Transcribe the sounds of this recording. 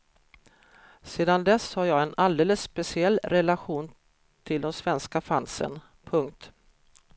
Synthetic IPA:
seːd̪and̪ɛshaɾjɑːɡɛnald̪eːləsːpɛsɪɛlːɾɛlaɧuːn | t̪ʰɪld̪ɔmsvɛnskafansə̰n | pʰɵŋk̚t̪

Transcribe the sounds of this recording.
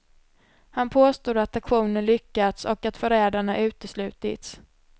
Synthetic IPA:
hanpʰoːst̪uːd̪at̪akɧuːnənlʏkːat̪sɔkat̪fœɾɛːd̪aɳaʔʉ̟ːt̪əslʉ̟ːt̪ɪ̰t̪s

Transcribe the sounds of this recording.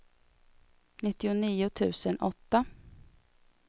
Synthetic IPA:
nɪt̪ːɪʊniːʊt̪ʰʉ̟̰ːsənʔɔt̪ːa

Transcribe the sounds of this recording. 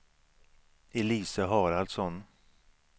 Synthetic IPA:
ɛliːsəɦɑːɾald̪sɔn

